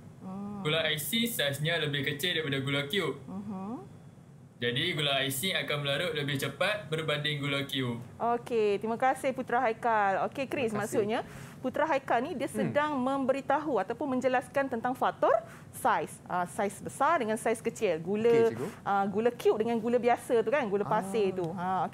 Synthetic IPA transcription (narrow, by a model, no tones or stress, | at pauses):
ɡulaaisisajsɲãləbɪhkət͡ʃɪldajpadaɡulakjup̚m̩m̩ | d͡ʒadiɡulaajsiakanməlaɾʊʔ̚ləbɪht͡ʃəpat̪̚bərbandɪŋɡulakiup̚ʔoket̪imãkasɪhput̪ɾaɦajkalokekɾismaʔsʊʔ̪̚ɲaput̪ɾaɦajkalnidiasədaŋmə̃mbəɾit̪aɦuat̪awpʊnmə̃ɲd͡ʒəlaskant̪ənt̪aŋfat̪ɔr | sajsʔəsajsbəsardəŋansajskət͡ʃɪlɡuləʔəɡulakjup̚dəŋanɡulabiasət̪ukanɡulapasɪt̪uãok